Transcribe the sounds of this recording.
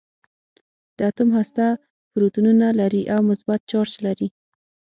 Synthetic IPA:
d̪̥əat̪ʊmɦhast̪a | fɾut̪ununalaɾiʔawmʊsbat̪̚t͡ʃɑɾt͡ʃlaɾi

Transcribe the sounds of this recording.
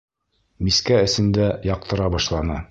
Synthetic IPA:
miskæɘ̆sɘ̆nd̪æjɑq̚t̪ɤ̆ɾɑbɒʃlˠɑnɤ

